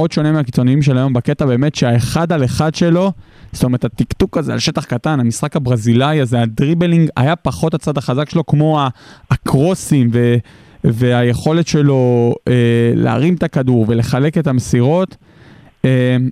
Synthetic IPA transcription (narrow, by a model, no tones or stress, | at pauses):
o̞d̪ʃo̞nemiakit͡so̞niimʃelajo̞mbake̞t̪abe̞ːme̞tʃeaeχad̪aleχad̪ʃe̞lo̞ | st̪omeʁetat̪ikt̪ukazea̰lʃe̞t̪aχkat̪anamisχakabʁazilajazeadʁibeliŋɡa̰japaχo̞tat͡sad̪aχazakʃelo̞kmo̞aːkʁo̞simve | ve̞aje̞χo̞le̞tʃe̞lo̞elḛa̰ʁimt̪akaduʁve̞le̞χale̞ke̞t̪amesiʁo̞t̪ | em